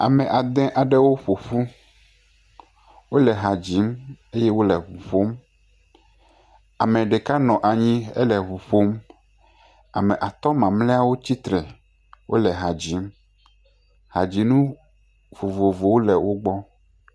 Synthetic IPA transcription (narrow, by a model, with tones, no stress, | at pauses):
a̰˨mɛ̃˨ʔa˨d̪ɛ̃˦ʔa˨ɖɛ˦wo˦ɸo˨ɸu˦ | wo˦lɛ˨ɦa˨d͡ʑi˨˦me˦jɛ˦wo˦lɛ˨βu˨ɸo˦m | a˨mɛ̃˨ɖe˨ka˦nɔ̃˨ʔa˨ɲĩ˦ɛ̰˦lɛ˨βu˨ɸo˦m | a˨mɛ̃˨ʔa˨t̪ɔ˦mã˨mlɛ˦a˦wo˦t͡ɕi˦t̪ɾɛ˨ | wʔo̰˦lɛ˨ɦa˨d͡ʑi˨˦m | ha˨d͡ʑi˨nũ˦ | vo˨vo˨vo˨wo˦lɛ˨wʔo˦ɡ͡bɔ˦